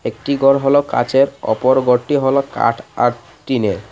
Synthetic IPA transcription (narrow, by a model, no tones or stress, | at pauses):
ek̚ʈiɡɔɾɦɔloka̰t͡ɕeɾɔ̰poɾɡoʈːiɦɔloka̰ʈʰaɾ | t̪ine